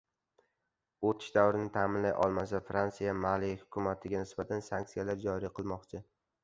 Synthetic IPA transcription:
ot̪ʰɪ̥ʃd̪awɾɪnɪt̪ʰaːmɪnlajʔɒ̰lˠmasafɾansijamalijhʊkʰʲʊmat̪ʰɪɡʲanɪsbat̪ʰansaŋk̚t̪sijalaɾd͡ʒɒɾiqʰɨlˠmɒqt͡ʃʰɪ

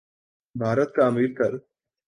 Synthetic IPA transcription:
bʱaːɾət̪̚kaɐmiːɾt̪ɐɾ

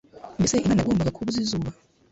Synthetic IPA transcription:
meseʔinanaɡoːmbaɡakʰuβuzizuβa

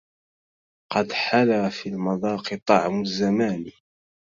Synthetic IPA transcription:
qɑd̪ħalaːfiːlmɑðˤɑːqɨt̪ˤɑʕmʊzːamaːn

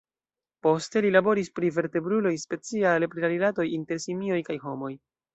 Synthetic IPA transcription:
po̞ste̞lilabo̞ɾispɾive̞ɾte̞bɾulo̞jspe̞t͡sialpɾiaɾilato̞jinte̞ɾsimio̞jkajɦo̞mo̞j

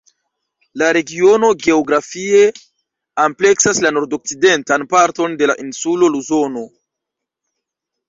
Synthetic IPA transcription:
laɾe̞ɡio̞no̞ɡe̞oɡɾafie̞ | ample̞ksaslano̞ɾdo̞k̚side̞ntanpaɾto̞nde̞laʔinsulo̞luzo̞no̞

